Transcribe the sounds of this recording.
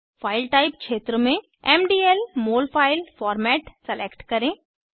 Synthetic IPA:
faːɪlʈaːɪpkʃeːt̪ɾomẽ | ɛːmɖiːelmoːlfʰaːɪlfɔːɾmɛːʈsɐleːkʈkɐɾẽː

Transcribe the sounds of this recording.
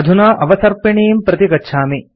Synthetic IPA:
ɐd̪ʱunaːʔɐʋɐsɐɾpiɳiːmpɾɐt̪ikɐtːʃʰaːmi

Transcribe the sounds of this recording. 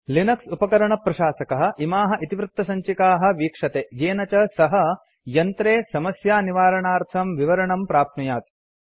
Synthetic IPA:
linɐksupɐkɐɾɐɳɐpɾɐʃaːsɐkɐɦɐ̆ʔimaːɦɐ̆ʔit̪iʋɾɪt̪ːɐsɐɲt͡ʃikaːɦɐ̆ʋiːkʂɐt̪eːjeːnɐt͡ʃɐsɐɦɐ̆ | jɐnt̪ɾeːsɐmɐsjaːniʋaːɾɐɳaːɾt̪ʰɐmʋiʋɐɾɐɳɐmpɾaːp̪̚mɐjaːt̪

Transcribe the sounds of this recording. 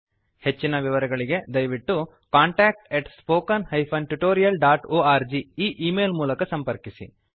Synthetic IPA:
he̞t͡ʃːinɐʋiʋɐɾɐɡɐɭiɡe̞d̪ɐjʋiʈːu | kaːɳʈaːk̚ʈeʈspoːkɐnhɐjpʰɐnʈuʈoːɾijɐlɖaːʈoːaːɾd͡ʒiiːʔiːmeːlmuːlɐkɐsɐmpɐɾkisḭ

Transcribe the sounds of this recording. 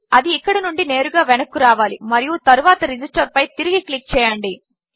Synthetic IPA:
ɐd̪iːkːɐɽɐnuɳɖine̞ːɾuɡaːʋɛnɐkːuɾaːʋaːlimɐɾijut̪ɐɾuʋaːt̪ɐɾid͡ʒisʈɐɾpɐjt̪iɾiɡiklik̚t͡ʃɛːjɐɳɖi

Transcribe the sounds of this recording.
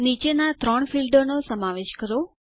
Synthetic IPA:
nit͡ʃenat̪ɾɔɳ̃filɖonosəmaʋeʃkəɾo

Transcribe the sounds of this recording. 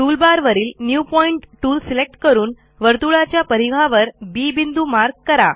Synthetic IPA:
ʈuːlbaɾʋəɾiːlnjupɔiɳʈʈuːlsilek̚ʈkəɾuːn | ʋəɾt̪uɭat͡ɕjapəɾiʋʱaʋəɾbiːbind̪umaɾɡ̚kəɾa̰

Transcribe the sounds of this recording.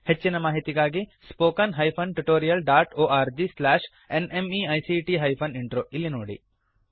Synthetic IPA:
het͡ʃːinɐmaːɦit̪iɡaːɡispoːkɐnɦɐjpʰɐnʈuʈoːɾijɐlɖaːʈoːaːɾd͡ʒislɛːʃ | enemiːɐjsiʈiɦɐjpʰɐniɳʈɾoːʔilːinoːɽḭ

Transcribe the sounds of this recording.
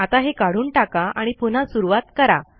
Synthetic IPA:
at̪aɦekaɽ̤uːnʈakaʔaɽ̃ipun̤asuɾuʋat̪kəɾa̰

